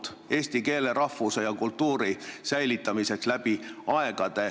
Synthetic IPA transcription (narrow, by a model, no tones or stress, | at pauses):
e̞ːsʲt̪ike̞ːle̞ɾɑfuse̞jɑkult̪ːuːɾisæjlit̪ːˑɑmise̞kslæb̥iɑe̞ɡ̥ɑd̪̥e̞